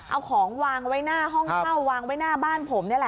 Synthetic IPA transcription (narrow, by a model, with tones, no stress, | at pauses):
ʔa˧wkʰɔː˩˦ŋwaː˧ŋwa˦˥jnaː˥˩ɦɔ˥˩ŋ˧˥˩wːaː˧ŋwa˦˥jnaː˥˩baː˥˩npʰo˩˦mni˥˩ɐ˨lɛ˨˧˩